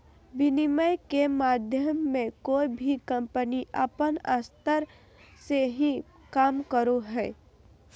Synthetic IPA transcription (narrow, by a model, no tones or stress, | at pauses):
bɪniməjkemaːd̪ʱjəmːẽkoːibʱikə̃mpəniʔə̰pəna̰st̪əɾ | seɦĩ | kaːmkəɾoɦɛː